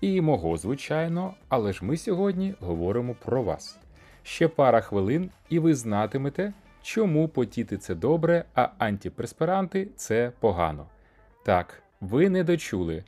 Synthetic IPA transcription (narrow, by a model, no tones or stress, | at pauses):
imɔɦɔzʋɪt͡ʃɑjnɔɐlˠɛʒmɪsʲɔɦɔdʲnʲiɦɔʋɔɾɪmɔpɾɔʋɑ̰s | ʃt͡ʃɛpɑɾɐxʋɪlˠɪn | iʋɪznɑt̪ɪmet̪ɛ | t͡ʃɔmupɔtʲit̪ɪt̪sɛd̪ɔbɾɛɐɐnʲtʲipɾespeɾɑnt̪ɪt̪sɛpɔɦɑ̰nɔ̰ | t̪ɑk | ʋɪnɛd̪ɔt͡ʃulˠɪ